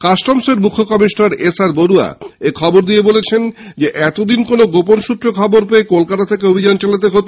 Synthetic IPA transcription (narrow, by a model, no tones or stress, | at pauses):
kaʃʈɔmseɾmukʰːokɔmiʃnaɾesaɾboɾua̰ekʰɔboɾd̪ijebolet͡ɕʰend͡ʑeʔɛt̪od̪inkonoɡoponʃut̪ːɾokʰɔboɾpeekolkat̪at̪ʰekeobʱid͡ʑant͡ɕalat̪̬eɦot̪o